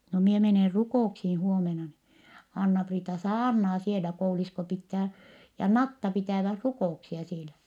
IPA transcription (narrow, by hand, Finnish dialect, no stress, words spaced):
no mie meneˑ rukoˑuksiː huomenɑ ni ɑnːɑpriːtɑ sɑːrnɑː sielæ kouliːsko pitːæː jɑ nɑtːɑ pitæˑʋæh rukoˑuksiɑ sielæ